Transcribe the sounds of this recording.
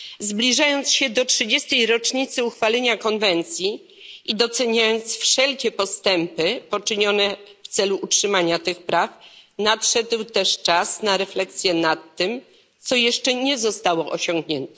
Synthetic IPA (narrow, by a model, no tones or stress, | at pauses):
zblʲiʐajɔnt̪sɕɛd̪ɔtʂɘd͡ʑɛst̪ɛjɾɔt͡ʂɲit̪sɘuxfalɛɲakɔnvɛnt̪sʲji | id̪ɔt̪sɛɲajɔnt̪sfʂɛlkʲɛpɔst̪ɛmpɘpɔt͡ʂɘɲɔnɛft̪sɛluutʂɘmaɲat̪ɘxpɾafnat̪ʂɛd̪wt̪ɛʂt͡ʂasnaɾɛflɛksʲjɛnat̪ːɘm | t̪sɔjɛʂt͡ʂɛɲɛzɔst̪awɔʔɔɕɔ̃ŋɡɲɛnt̪ɛ̥